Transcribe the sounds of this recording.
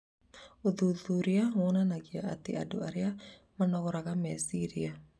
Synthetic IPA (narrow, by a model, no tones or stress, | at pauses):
uðuðuɾiawɔnanaɣiaʔat̪ḭa̰duaɾia | manɔɣɔɾaɣamɛasiɾia